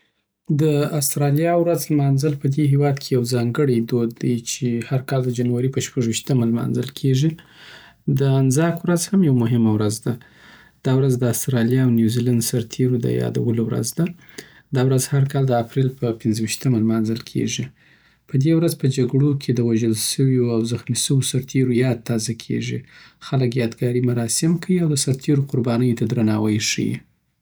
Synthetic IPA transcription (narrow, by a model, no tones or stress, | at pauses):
d̪əast̪ɾɑljɑwɾazlmɑnzəlpəd̪eɦewɑd̪kʰejawzɑŋɡəɽijd̪od̪ajt͡ʃʰehaɾkɑld̪əd͡ʒanwaɾipəʃpaʒwiʃt̪əmalmɑ̰nzə̰lkʰeʐi | d̪əanzɑkwɾazhamjawmʊɦɪmawɾazd̪a | d̪̥ɑwɾazd̪əast̪ɾɑljɑːwnjuziland̪saɾt̪ʰeɾod̪ə̰jɑ̰d̪a̰wəlowɾa̰zd̪a | d̪ɑwɾazhaɾkɑld̪əapɾelpəpɪnzəwiʃt̪əmalmɑnzəlkʰḛʐi | pəd̪ewɾazpəd͡ʒaɡɽokʰed̪əwaʒəlʃəwjoawzaxmisəwosaɾt̪ʰeɾojɑd̪̚t̪ːɑzakʰḛʐixaləkjɑd̪ɡɑɾimaɾɑsɪmkʰawiawd̪əsaɾt̪ʰeɾoqʊɾbɑnəjot̪ad̪ɾanɑwajʂḭjḭ